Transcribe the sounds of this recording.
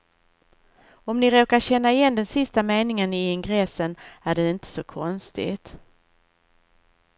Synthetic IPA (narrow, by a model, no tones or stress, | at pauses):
ɔmnɪɾoːkaɕɛnːaɪjɛnd̪ɛnsɪst̪ameːnɪŋənɪɪŋɡɾɛsənæɖɛɪnt̪ʰə̥sɔkʰɔnst̪ɪ̰t̪